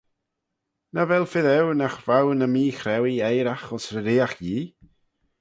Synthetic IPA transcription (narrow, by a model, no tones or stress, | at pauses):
navɛlˠfɪðɛwnaχvawnəmiːχrɛwiejɾaχɔsrəɾeːaχjiː